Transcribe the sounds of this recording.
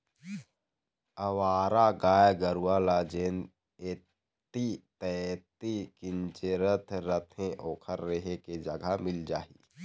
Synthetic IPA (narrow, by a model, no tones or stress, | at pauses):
əwaːɾaɡaːjɡəɾuwalad͡ʒeːn | eː | t̪it̪ɛt̪ikɪnt͡ʃeɾət̪ʰɾət̪ʰẽʔoːkʰəɾːeɦeked͡ʒəɡʱamɪld͡ʒaːḭː